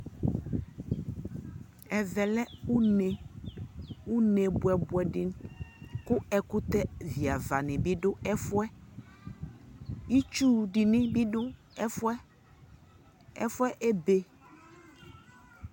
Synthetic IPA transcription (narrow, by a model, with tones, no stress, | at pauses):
ɛ˨vɛ˨lɛ˦u˦ne˨ | u˦nɛ˨bʊ˨ɛ˨bʊ˨ɛ˨ɖɪ˨ | kʊ˦ɛ˨kʊ˦t̪ɛ˦vi˨a˨va˨nɪ̃˨bi˦ɖʊ˦ɛ˦fʊ˦ɛ˦ | i˦t͡ʃu˦ɖɪ˨nɪ̃˦bi˦ɖʊ˦ | fɛ˦ | ɛ̰˦fwɛ˦ʔe˦be˨